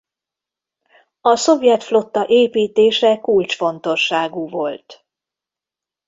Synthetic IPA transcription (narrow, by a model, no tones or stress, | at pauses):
ɒso̞vjɛt̪flo̞t̪ːɒʔeːpiːt̪eːʃɛkult͡ʃfo̞nt̪o̞ʃːaːɡuvo̞lt̪